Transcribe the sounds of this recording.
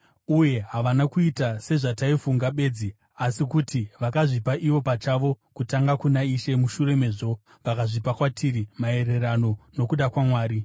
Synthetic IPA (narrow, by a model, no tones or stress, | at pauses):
uje̞ɦaʋanakuitase̞ʐataifuŋɡaɓe̞ːd͡zi | asikutʰiʋakaʐipaʔiʋo̞pat͡ʃaʋo̞ | kutaŋɡakunaiʃe̞muʃure̞me̞ːʐo̞ | ʋakaʐipakwatʰiɾimae̞re̞rano̞no̞kuɗakwamwaːɾi